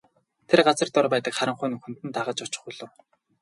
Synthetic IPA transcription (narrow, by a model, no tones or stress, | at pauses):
t̪ʰerɢat͡sə̆rt̪ɔrpæːt̪ə̆kχaɾə̆ɴχʊːnɵxun̥t̪ɘ̆nt̪aʁə̆t͡ɕʊt͡ɕɪ̥̆χuɮɵ̆w